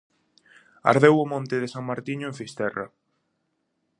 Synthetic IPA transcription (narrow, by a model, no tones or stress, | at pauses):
a̰ɾðewʊmõnt̪ɪðesaŋmaɾt̪iɲʊẽɱfist̪ɛra̰